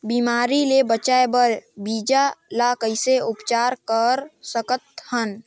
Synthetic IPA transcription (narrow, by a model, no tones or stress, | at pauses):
biːmaːɾilebət͡ʃaːebəɾbiːd͡ʒalakəɪseʊpt͡ʃaːɾkəɾsəkət̪̚hən